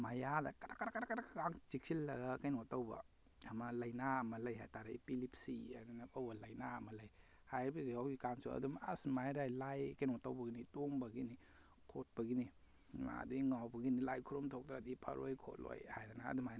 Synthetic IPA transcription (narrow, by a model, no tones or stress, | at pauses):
majadɐkaɾakaɾakaɾakaɾakkaŋt͡ʃik̚silːɐɡakajnɔtawbɐ̰ː | mɐlɐjnaɐmɐlɐjhajtaɾaipilipsiananaawbɐlɐjnaɐmɐlɐj | hajbizeawɡikansṵɐ̰duma̰smajɾajlajkajnɔtawbɐɡinitoŋbɐɡini | kʰot̚bɐɡini | ma̰duiŋawbɐɡinilajkʰuɾɔmtʰok̚tɾadipʰɐ̰ɾojkʰo̰tlo̰jhajdana̰ːdumajn